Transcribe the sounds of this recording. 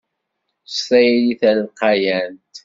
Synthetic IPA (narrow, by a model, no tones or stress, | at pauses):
sæjliθælqɑjænt̪